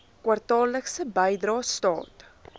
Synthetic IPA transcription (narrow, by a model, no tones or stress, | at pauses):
kwɐrtɑːləksəbəjdrɑːstɑ̰ːt